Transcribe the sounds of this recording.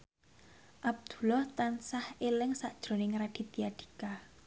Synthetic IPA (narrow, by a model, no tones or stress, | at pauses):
ʔab̚d̪̥u̥̤lɔht̪ansahelɪŋsaʔd̥ʒ̥ɾo̤nɪŋɾaɖ̥i̤t̪iaɖ̪̥i̥̤ka